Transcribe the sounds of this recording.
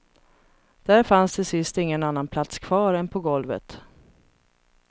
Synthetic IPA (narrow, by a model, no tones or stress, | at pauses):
d̪̥æɾfansd̪ɛsɪst̪ɪŋːənanːanpʰlat̪skʰv̥ɑːɾɛnpʰɔɡɔlvə̰t̪